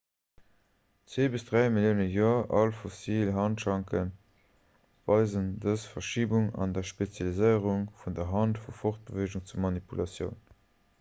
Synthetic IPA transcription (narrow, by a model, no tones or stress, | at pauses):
t͡sweːbəsdʁæɪmiljəʊnəjoːɐʔɑlfosilɦɑntʃɑŋkən | vɑɪzəndəsfɐʃiːbuŋɑ̰ndɐʃpet͡sjɑlizəɪəʁuŋfundɐɦɑntfufoχt̚b̥əveʒuŋt͡suɐmɑnipulɑsjə̰ʊn